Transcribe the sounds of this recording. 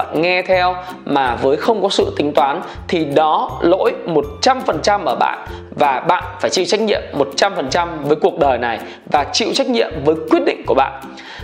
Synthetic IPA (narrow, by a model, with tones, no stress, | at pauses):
a̰˧˨nŋɛ˧t̪ʰɛ˧w | maː˨˩vəː˨˦jxə˧wŋ͡mkɔ˨˦sɨ̰˧˨t̪ï˨˦ŋ̟t̪waː˨˦n | t̪ʰi˨˩ɗɔ˨˦lo̰˧˥jmo˨˩t̚t͡ɕa˧mfə˨˩nt͡ɕa˧mʔəː˧˩ɓa̰ː˧˨n | vaː˨˩ɓa̰ː˧˨nfaː˧˩jt͡ɕḭ˧˨wt͡ɕa˦˥k̟̚ɲḭ˧˨əmːo˨˩t̚t͡ɕa˧mfə˨˩nt͡ɕa˧mvəː˨˦jku˨˩ək̚ɗəː˨˩jna˨˩j | vaː˨˩t͡ɕḭ˧˨wt͡ɕa˦˥k̚ɲḭ˧˨əmvəː˨˦jkwi˦˥ət̚ɗḭ˧˨ŋ̟ku˧˩əɓa̰ː˧˨n